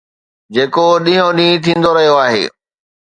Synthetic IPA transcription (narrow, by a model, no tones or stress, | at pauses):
d͡ʑeːkoɗĩɦõɗĩːt̪ʰĩːnd̪oɾɐɦijoaːɦḛː